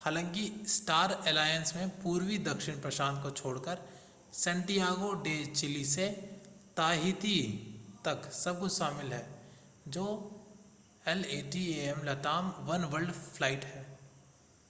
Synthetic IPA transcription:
haːlãːŋkisʈaːɾɛːlaːjənsmẽpuːɾwid̪ɐkʃɪɽ̃pɾɐʃãːnt̪̚kot͡ʃʰoːɽkəɾ | sɛ̃ɳʈijaːɡoɖeːt͡ʃɪliset̪aːɦɪt̪it̪ɐksɐb̚kʊʃaːmɪlɦɛː | d͡ʒoː | ɛleːʈieɛmlɐt̪aːmʋɐnʋəɾɖfʰlaːɪʈɦɛː

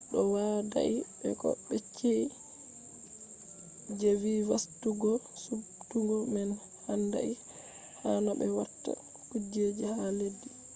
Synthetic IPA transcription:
ɗɔwada̰ʔiɓɛ̰kɔ̰ɓɛt͡ʃːei | d͡ʒeviwastuɡɔsubtuɡɔmɛn | handa̰ʔi | hanɔbɛwatːa̰ | kud͡ʒed͡ʒihaledːi

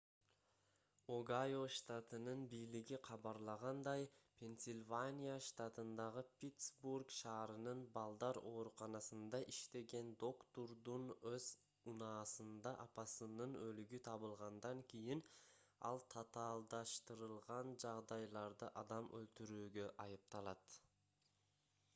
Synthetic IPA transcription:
oɡajoʃt̪at̪ɯnɯnbijliɡiqʰɑβɑɾlˠɑʁɑnd̪ɑjpʲʰe̞nʲsʲɪlʲvanʲijaʃt̪at̪ɯnd̪ɑʁɯpʲit̪sburkʃɑːɾɯnɯnbɑlˠd̪ɑɾo̞ːɾuqɑnɑsɯnd̪ɑʔiʃt̪e̞ɡe̞nd̪o̞kt̪oɾd̪unøz | unɑːsɯnd̪ɑʔɑpɑsɯnɯnølyɡyt̪ʰɑβɯlˠʁɑnd̪ɑŋkʲijin | ɑ̰lˠt̪ʰɑt̪ɑːlˠd̪ɑʃt̪ɯɾɯlˠʁɑnd͡ʒɑʁd̪ɑjlˠɑɾd̪ɯʔɑd̪ɑmʔølt̪yɾyːɡø̞ʔɑjɯp̚t̪ɑlˠɑt̪

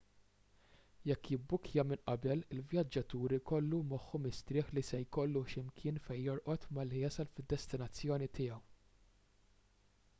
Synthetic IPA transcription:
jɛkːɪbːʊkʰjɐmɪnʔɐbɛlɪlvjɐd͡ʒːɐt̪uːɾikɔlːumɔħːɔmɪst̪ɾɪːħlisɛjkɔlːuʃɪmkʰɪːnfɛjːɔɾʔɔt̪mɐlːijɐsɐlfɪd̪ːɛst̪ɪnɐt͡sːjɔːnit̪ɪːjɐw

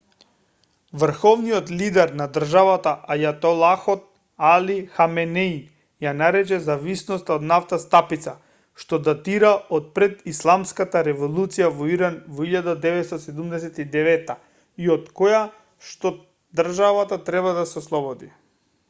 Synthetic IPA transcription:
vr̩xɔvnijɔt̪lid̪ɛɾnad̪r̩ʒavat̪aʔajat̪ɔlˠaxɔt̪̚ | alixamɛnɛi | janaɾɛt͡ʃɛzavisnɔst̪aod̪naft̪ast̪apit̪sa | ʃt̪ɔd̪at̪iɾaɔt̪̚pɾɛd̪islˠamskat̪aɾɛvɔlˠut̪sijavɔiɾanvɔiʎad̪ad̪ɛvɛt̪st̪asɛd̪umd̪ɛsɛt̪id̪ɛvɛt̪ːa | iot̪koja | ʃt̪ɔ | d̪rʒavat̪at̪ɾɛβad̪asɛoslˠɔbɔd̪i

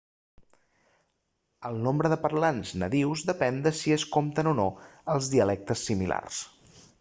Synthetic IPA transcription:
əlˠnombɾəðəpəɾlanznəðiwzd̪əpɛnd̪əsiəskomt̪ənonoəlˠzðiəlɛk̚t̪əsːimila̰rs

